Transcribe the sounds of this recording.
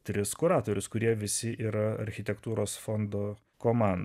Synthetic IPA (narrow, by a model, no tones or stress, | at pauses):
t̪ʲɾʲɪskʊɾɑːt̪oːɾʲʊskʊɾʲiɛʋʲɪsʲɪʔiːɾɐɐ̰ɾʲxʲɪt̪ʲɛkt̪uːɾoːsfond̪oː | koːmɑˑnd̪